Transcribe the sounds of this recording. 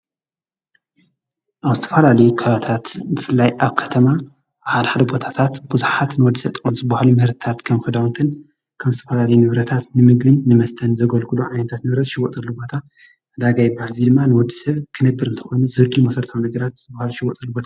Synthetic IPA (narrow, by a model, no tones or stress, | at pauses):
ʔaβzɨt̪ʰɐ̥fɐlalɐjukʰaβɐt̪ʰat̪bɨfɨlːajʔaβkʰɐt̪ʰɐma | bħalħad̪ɐbo̞t̪ʰḁt̪ʰat̪buzuħat̪nɨwɔd̪ːisɐβt̪ʼxunzɨbːahlumɨhɨɾt̪t̪ʰat̪kʰɐmxʰɨd̪awnt̪ʰɨn | kʰɐmzɨt̪ʰɐfɐlalɐjunɨβɾɐt̪ʰat̪nɨmɨɡbɨnːɨmɐst̪ʰɐnzɐɡɐlkuluʕajnɐt̪ʰat̪nɨβɾɐt̪ʃɪwɔt̪ʼɐlːubo̞t̪ʰa | ɐd̪aɡajɪbahalzid̪ɨmːanɨwɔd̪ːisɐβkʰɨnɨbːɨɾɨnt̪ʰɐ̥xonuzɨɡɨlmɐsɐɾt̪ʰawnɐɡɐɾat̪z̥ɨbːahluʃɪwɔt̪ʼɐlːubo̞t̪ʰa